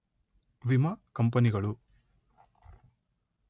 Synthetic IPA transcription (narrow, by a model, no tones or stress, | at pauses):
ʋimɐkɐmpɐniɡɐɭu